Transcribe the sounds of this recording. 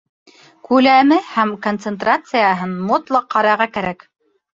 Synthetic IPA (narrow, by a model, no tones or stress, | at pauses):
kʉlæmɘhæmkont̪sĕnt̪rat̪sɨjɑɦɤnmot̪lˠɑqːɑɾɑɾʁɑkæɾæk